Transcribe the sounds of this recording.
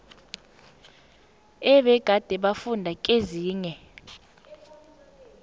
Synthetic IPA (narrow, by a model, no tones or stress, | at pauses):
ɛɓɛɡ̥ʱad̥ʱɛɓafundʱakʼeziːɲɛ